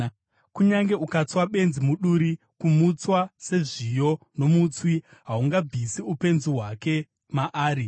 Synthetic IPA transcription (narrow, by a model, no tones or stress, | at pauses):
kuɲaŋɡe̞ukat͡swaɓe̞nzimuɗuɾi | kumut͡swase̞ʐijo | no̞mut͡swiɦauŋɡab͡vʱisiupe̞nziɦwake̞ | maʔaːɾi